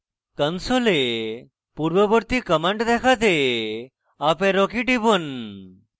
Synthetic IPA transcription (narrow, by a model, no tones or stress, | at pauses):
kənsole | puɾbəbəɾt̪ikəməɳʈd̪ɛkʰat̪e | apeɾokiʈibon